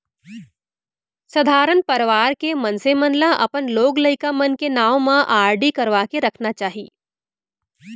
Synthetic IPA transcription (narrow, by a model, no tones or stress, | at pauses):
sɐd̪ʱaːɾənpɐɾəʋaːɾkemɐnsemə̃nlaʔɐ̰pənloːɡləɪkamɐnkenaːʋmãʔaːɾɖikɐɾʋaːkeɾɐkʰnat͡ʃaːɦiː